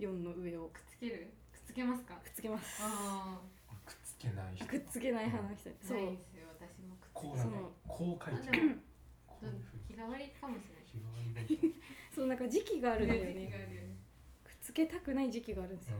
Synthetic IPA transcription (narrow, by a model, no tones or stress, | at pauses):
jõ̞nːo̞ɯ̟e̞okɯ̥t͡sɨ̥keɾɯ | kɯ̥t͡sɨ̥ke̞masɨ̥kakɯ̟̥t͡sɨ̥ke̞masɨ̥a | kɯ̥t͡sɨ̥kenaiakɯ̟t͡sɨke̞naiɦanaɕi̥t̪a̰soːsɨjoat̪aɕimokɯ̥sonokʰoːkʰai | kʲiɡaβaɾʲikamoɕiɾ | soːnãŋkad͡ʑikʲiɡaːɾɯ̟̃sejone | kɯ̟̥t͡sɨ̥ke̞t̪akɯ̟naid͡ʑikʲiɡaːɾɯ̟̃ndesj